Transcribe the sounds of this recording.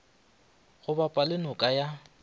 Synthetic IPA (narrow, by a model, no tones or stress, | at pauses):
ɣʊbapʼalɪnʊkʼaja